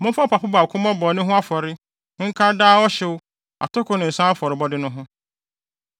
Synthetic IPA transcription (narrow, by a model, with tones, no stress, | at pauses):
mʊ̃˦fa˦pʰa˨pʊ˦ba˨kʰʊ̃˦mɔ̃˦bɔ˨nʊ̃˦ɦʊ̃˦a˦fɔ˨ɾɪ˦ | ŋ̩˦kʰa˦daː˦ɔ˦ɕɪ˦wʊ˦ | a̰˨tʰɔ˦kʰʊ˦nʊ̃˨n̩˨sã˦a˦fɔ˨ɾɪ˨bɔ˦dɪ˦nʊ̃˦ɦʊ̃˦